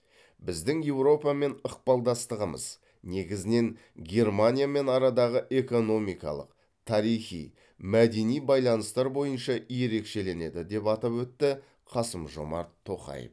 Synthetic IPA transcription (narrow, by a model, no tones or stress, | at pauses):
bɪzd̪ɪŋje̞wɾo̞pɑme̞nəq̚pɑlˠd̪ɑst̪əʁəmə̰z̥ | ne̞ɡʲɪzɪne̞ŋ | ɡʲe̞rmanʲijame̞nɑɾɑd̪ɑʁəʔe̞ko̞no̞mijkɑ̰lˠə̰q̚ | t̪ʰɑɾijχḭj | mæd̪e̞nijbɑjlˠɑnəst̪ɑɾbo̞jənʃɑije̞ɾe̞kʃe̞le̞ne̞d̪ɪd̪e̞pɑt̪ɑpwɵt̪ːɪ | qʰɑsəmʒo̞̰mɑ̰ɾt̪ʰːo̞χɑ̰jə̰f